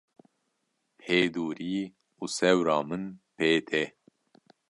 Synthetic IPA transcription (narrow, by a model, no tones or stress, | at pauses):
heːd̪uːɾiː | usɛwɾɑːmɨnpeːt̪ʰɛ